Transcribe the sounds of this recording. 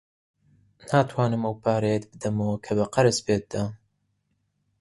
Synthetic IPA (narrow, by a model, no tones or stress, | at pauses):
naːt̪ʰwaːnɨmɐwpʰaːɾejet̪̚bɨd̪ɐmowkʰɐbɐqɐɾɨsbeːt̪̚d̪aː